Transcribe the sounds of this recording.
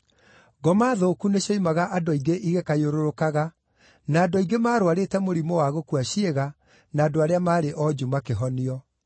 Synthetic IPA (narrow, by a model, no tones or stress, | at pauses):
ɡɔmaːðoːkuneɕɔimaɣaʔadɔiɡeʔiɣekajoɾoɾokaɣa | naːdoiɡemaːɾowaɾetɛmoɾimɔwaɣokuaɕieɣa | naːdoaɾeamaːɾeʔɔd͡ʑumakeɦɔniɔ